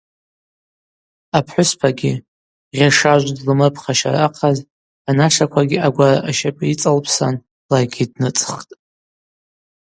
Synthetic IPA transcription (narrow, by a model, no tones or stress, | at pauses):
apʰħʷʊspʰaɡʲɪ | rʲaʂaʒʷdlɨmɨpʰχaʃa̰raqʰaz | anaʂakʷʰaɡʲiaɡʷaraʔaʃapʼait͡sʼalpʰsan | laɡʲidnɨt͡sʼχtʼ